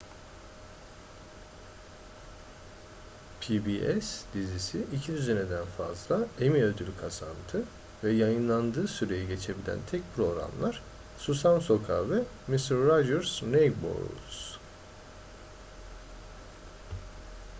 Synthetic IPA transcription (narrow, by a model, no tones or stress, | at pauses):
pʰibiʔɛsd̪izisiʔicʰid̪yzened̪ænfa̰zlˠaemiød̪ylʲkʰasant̪ʰɯ | vɛjajɯnlˠand̪ɯːsyɾe̞jiɟe̞t͡ʃʰe̞bilʲæ̰nt̪ʰɛc̚pʰɾo̞ɾa̰mlˠaɾ̥ | susamso̞kʰavɛ | mist̪ɾːad͡ʒɛɾsnejbo̰ɾ̰ls